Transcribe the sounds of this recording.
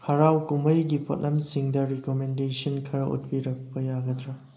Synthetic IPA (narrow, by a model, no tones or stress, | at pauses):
pʰaɾawkuməjɡipʰo̰t̚nɐmsiŋdɐɾikomendesɐnkʰɐɾɐʔṵt̚piɾɐk̚pɐjaɡɐdɾɐ